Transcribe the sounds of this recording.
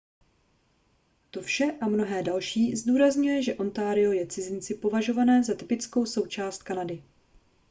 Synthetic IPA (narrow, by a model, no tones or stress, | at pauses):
t̪o̞fʃɛʔamno̞ɦɛːdalʃiːzduːɾazɲujɛʒɛʔo̞nt̪aːɾɪo̞jɛt͡sɪzɪnt͡sɪpo̞vaʒo̞vanɛːzat̪ɪpɪt͡sko̞wso̞wt͡ʃaːst̪̚kanadɪ